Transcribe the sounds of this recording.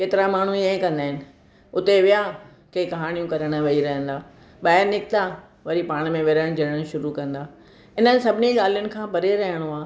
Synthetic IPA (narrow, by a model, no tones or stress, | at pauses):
keːt̪ɪɾamaːɳ̤ũẽkɐ̃nd̪aːɦɪnɪ̆ | ʊt̪eʋɪja | kekɐɦaːɽ̃ijũkɐɾəɽ̃əʋɐiɾɐɦə̃n̆d̪aː | ɓaːɦɪɾnɪkt̪a | ʋɐɾipaːɽ̃mẽʋɪɾəɽ̃d͡ʑɐɽəɽ̃ʃʊɾukɐ̃nd̪aː | ɪnənɪ̆sɐbʱɪniɠaːl̤ijʊnɪ̆kʰãːpɐɾeɾɐɦəɽ̃oaː